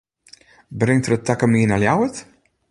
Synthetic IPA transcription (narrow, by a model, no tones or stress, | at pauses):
brɪŋtrətːakəmiːnaljawət